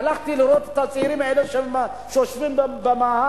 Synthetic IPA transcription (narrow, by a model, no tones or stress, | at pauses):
laχt̪iliɾot̪e̥t̪at͡sʼiɾimʕeleʃema | ʃeoʃvimbbemaha